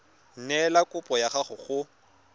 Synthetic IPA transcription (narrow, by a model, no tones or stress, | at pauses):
n̩nɛlakʼʊpʼɔjaχaχʊχʊ